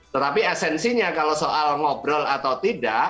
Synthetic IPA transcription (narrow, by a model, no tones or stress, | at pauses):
t̪ət̪apiɛsɛnsiɲakalosoʔalŋɔbɾɔlat̪awt̪idaʔ